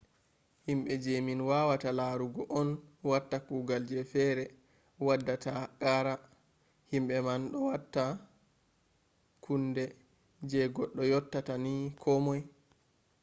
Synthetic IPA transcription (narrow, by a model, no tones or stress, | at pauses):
himɓɛd͡ʒeminwawatalaɾuɡɔʔɔnwatːakuːɡald͡ʒɛfɛɾɛ | wadːatakaɾa | himɓɛmanɗɔwatːa | kundɛ | d͡ʒɛɡɔɗːɔjɔtːatanikʰɔmɔj